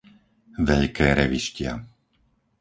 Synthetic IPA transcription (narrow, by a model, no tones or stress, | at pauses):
ʋɛʎkʰɛːɾɛʋiʃcɪa̰